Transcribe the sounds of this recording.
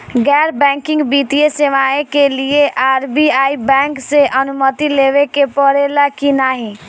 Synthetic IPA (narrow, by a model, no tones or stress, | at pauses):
ɡɛɾbɛ̃ŋkɪ̃ŋɡbit̪ijeseʋaekelieʔaːɾbiaːibɛ̃ŋkseʔənʊmət̪ileʋekepəɾelakinaːɦĩ